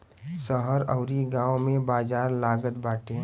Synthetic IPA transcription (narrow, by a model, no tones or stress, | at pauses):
səɦəɾɐʊɾiɡãːwmẽbaːzaːɾlaːɡət̪baːʈẽ